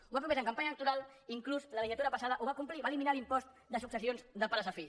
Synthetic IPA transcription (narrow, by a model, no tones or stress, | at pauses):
uβap̬ɾuβɛzəŋkəmpaɲələk̚t̪uɾalˠ | iŋkluzləliʒiat̪uɾəpəsaðəʔuβakumpliβaliminalimpɔst̪ | d̪əsuksəsionzd̪əpələs̬əfi